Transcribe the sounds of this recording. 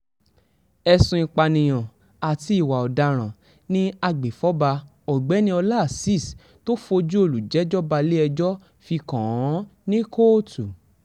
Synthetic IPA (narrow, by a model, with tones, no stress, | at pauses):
ɛ˧sũ˧ĩ˧k͡pa˧nĩ˨j̃ɔ̃˨ | a˨ti˧˦i˨wa˨ɔ˨da˧ɾ̃ã˨ | nĩ˦a˧ɡ͡be˨fɔ˨˦ba˧ | ɔ˨ɡ͡bɛ˨˦nĩ˦ɔ˧la˦˨si˦˨s | to˦fo˧d͡ʒu˦o˦˨lu˨d͡ʒɛ˨˦d͡ʒɔ˦ba˧le˦ɛ˧d͡ʒɔ˦ | fi˧kɔ̃˨ɔ̃˨˦nĩ˦kʰo˦tu˨